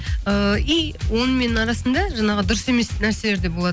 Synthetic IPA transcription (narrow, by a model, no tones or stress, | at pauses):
əijwo̞nəme̞nɪɴɑɾɑsənd̪ɑʒɑɴɑʁəd̪ʊɾəse̞me̞snæɾse̞le̞ɾd̪e̞bo̞lˠɑd̪ə